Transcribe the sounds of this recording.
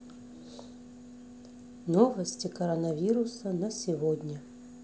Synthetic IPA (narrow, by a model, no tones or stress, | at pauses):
novəsʲtʲɪkɐɾənɐvʲiɾʊsənəsʲɪvodʲnʲə